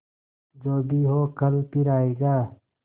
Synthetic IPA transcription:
d͡ʒoːbʱiɦoːkəlpiɾaːeːɡaː

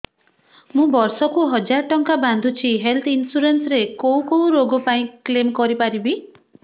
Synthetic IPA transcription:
mũbɔɾsɔkuɦɔd͡ʒaɾɔʈɔŋkaband̪ʱut͡ʃʰiɦelt̪ʰinsuɾensɔɾekoũkoũɾoɡɔpaĩklemkɔɾipaɾibi

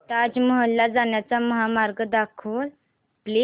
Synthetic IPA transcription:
t̪ad͡ʑməɦəlːad͡zaɳjat͡saməɦamaɾɡd̪akʰəl | pli

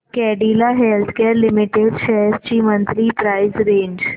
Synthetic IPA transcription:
kɛːɖiːlaɦɛːlt̪ʰkɛːɾlɪmɪʈeɖʃʰɛst͡ʃiːmə̃nt̪ɾipɾaːɪzɾẽːɲd͡ʒ

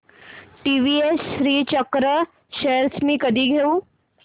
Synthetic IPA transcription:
ʈiʋiesɕɾiːt͡ɕəkɾə | ɕeɾt͡smiːkəd̪ʱiːɡʱeuː

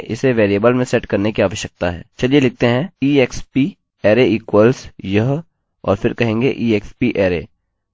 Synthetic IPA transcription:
ɪ̰seʋeːɾiəːbəlmẽsɛʈkɐɾnekiaːʋəʃjək̚t̪aɦɛ̰ːt͡ʃɐlielɪk̚t̪eɦɛ̃iːekspi | ɛːɾeiːkwəlsjɐɦ | ɔ̰ːɾfɪɾkɐɦẽːŋɡeʔiːeːkspiʔɛːɾe

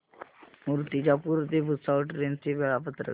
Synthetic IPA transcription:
muɾt̪id͡ʑapuːɾət̪ebʱusaəʈɾent͡siʋəɭapət̪ɾə̰

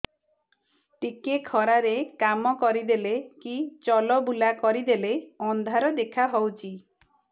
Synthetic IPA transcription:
ʈikekʰɔɾaɾekamɔkɔɾid̪elekit͡ʃɔlɔbulakɔɾid̪eleɔnd̪ʱaɾɔd̪ekʰaɦɔwt͡ʃʰi

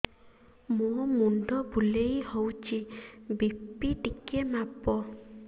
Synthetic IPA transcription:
mumunɖɔbulejhowt͡ʃʰibippiʈikemapɔ

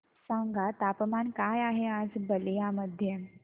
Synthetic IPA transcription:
sãŋɡat̪apəmankajaɦead͡zbələjaməd̪ʱje

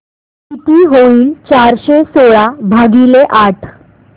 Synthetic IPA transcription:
kit̪iːɦoiːlt͡ɕaɾɕesoɭabʱaɡileʔaʈʰ

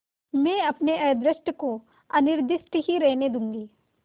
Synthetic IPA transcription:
mɛ̃ːɐpneʔɛːd̪ɾɪʃʈəko | ɐnɪɾd̪ɪʃʈ̪ɦiɾɛɦned̪ũːŋɡiː

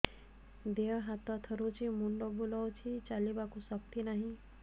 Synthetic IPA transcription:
d̪eʋɦat̪at̪ʰəɾut͡ʃʰimuɳɖobulawt͡ʃʰit͡ʃalibakusək̚t̪inaɦĩ

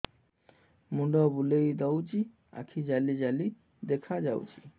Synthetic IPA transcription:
muɖɔbulejd̪awt͡ɕi | a̰kʰid͡ʑalid͡ʑali | d̪ekʰad͡ʑawt͡ɕi̥

